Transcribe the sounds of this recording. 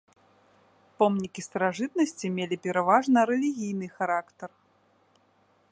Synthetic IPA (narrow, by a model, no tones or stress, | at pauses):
pɔmnʲikʲist̪ɐɾaʐɨt̪̚nɐsʲt͡sʲimʲelʲipʲɛɾavaʐnɐɾɛlʲiɣʲijn̪ɨxaɾakt̪ɐr